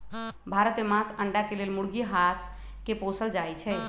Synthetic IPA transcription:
bʱaɾət̪memãsəɳɖakelelmuɽɡiɦas | keposəld͡ʒajt͡ʃʰɛ

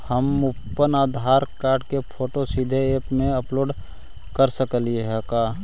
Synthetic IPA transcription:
həmʊpːənaːd̪ʱaːɾkaːɾɖkepʰoːʈosid̪ʱeeːpmẽəploːɖ | kəɾsəkəlieɦɛkaː

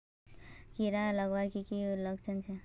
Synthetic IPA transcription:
kiɾalʌɡbaɾkikilʌɡt͡ʃʰʌnt͡ʃʰe

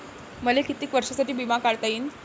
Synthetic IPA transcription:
məlekit̪iːkʋəɾʂasaʈiːbimakaɽt̪aiːn

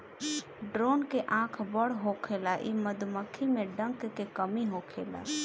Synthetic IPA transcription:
ɖɾoːnkeʔãːkʰbəɽɦokʰelaʔiməd̪ʱməkʰimẽɖə̃ŋkkekəmiɦokʰḛːla̰

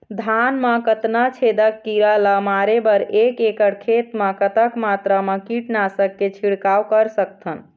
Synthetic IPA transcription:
d̪ʱanməkət̪nat͡ʃʰed̪əkːiɾaləmaɾebəɾekekəɽkʰet̪məkət̪əkmat̪ɾəmẽkiʈnasəkːet͡ʃʰiɽkawkəɾsəkt̪ʰən

